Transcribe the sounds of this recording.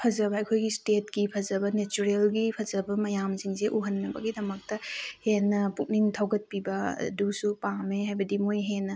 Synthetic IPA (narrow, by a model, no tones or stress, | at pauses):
pʰɐzɐbɐɐjkʰojɡistet̚kipʰɐzɐbɐnet͡ʃuɾelɡipʰɐzɐbɐmɐjamsiŋseʔuɦɐnːɐbɐ̰ɡidɐmɐk̚tɐhenːɐpuk̚niŋtʰɐwɡɐt̚pibɐ̰dusupameɦajbɐdimojɦenɐ